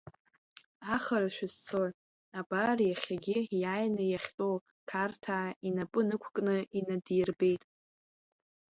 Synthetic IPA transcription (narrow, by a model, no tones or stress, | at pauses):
aχaɾaʃᶣɪzt͡sʰoʕ | abarjaχʲaɡʲijaːjnɨjaχʲtʼow | kʰartʰaːinapʼɨnɨkʷʰkʼnɨinadijrbe̞jtʼ